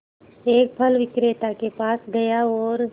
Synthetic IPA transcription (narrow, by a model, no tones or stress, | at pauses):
eːk̚pʰəlʋɪkɾeːt̪akepaːsɡɐjaɔːɾ